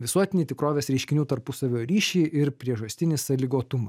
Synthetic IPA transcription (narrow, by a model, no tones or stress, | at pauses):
ʋʲɪsuɔt̪ʲɪnʲiːt̪ʲɪkɾoːʋʲeːsɾʲɛɪʃʲkʲɪnʲuːt̪ɐɾpʊsɐʋʲoːɾʲiːʃʲɛɪʔɪɾpʲɾʲiɛʒɐsʲt̪ʲɪnʲɪsɐlʲɪɡoːt̪ʊmɐs